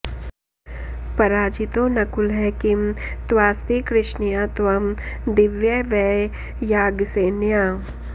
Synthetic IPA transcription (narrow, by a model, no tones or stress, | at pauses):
pɐɾaːd͡ʒit̪õnɐkʊlɦɛkimt̪ʋaːst̪ikɾɪʃnijat̪ʋɐmd̪ɪʋjɐʋɛ | jaːɡseːnjaː